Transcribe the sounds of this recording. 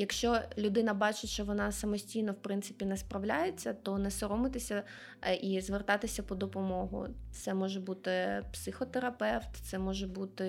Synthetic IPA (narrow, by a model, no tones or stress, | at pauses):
jɐkʃt͡ʃɔlʲʊd̪ɪnɐbɑt͡ʃɪtʲʃt͡ʃɔʋɔnɑsɐmɔsʲtʲijnɔwpɾɪnt̪sɪ̥pʲinɛspɾɐwlʲajet͡sʲːɐt̪ɔnɛsɔɾɔmɪt̪ɪsʲɐ | ʔizʋert̪ɑt̪ɪsʲɐpɔd̪ɔpɔmɔɦʊ̰t̪sɛmɔʒɛbut̪ɪpsɪxɔt̪eɾɐpɛwt̪t̪sɛmɔʒɛbut̪ɪ